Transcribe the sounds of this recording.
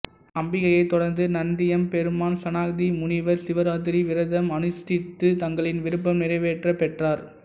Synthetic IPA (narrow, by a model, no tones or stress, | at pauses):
ɐmbɪɣɐjɐɪt̪ːɔɽɐɾnd̪ɯnɐnd̪ɪjɐmpɛɾɯmaːnsɐnaːk̚ðimʊnɪʋɐɾsɪʋɐɾaːt̪ɪɾiʋɪɾɐðɐmɐnɯst̪ɪt̪ːɯt̪ɐŋɡɐɭɪnʋɪɾɯp̬ːɐmnɪɾɐɪʋeːʈrɐpɛʈraːɾ